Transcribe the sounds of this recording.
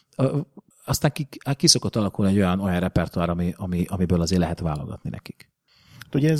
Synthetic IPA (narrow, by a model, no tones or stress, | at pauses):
øː | ɒst̪aːŋkikiso̞kot̪ːɒlɒkulniɛɟːo̞jɒno̞jɒnrɛpɛrt̪uaːɾɒmiʔɒmiʔɒmibøːlɒzeːlɛɦɛt̪ʋaːlo̰ɡɒ̰t̪ninɛ̰ki̥k | at̪uɟɛz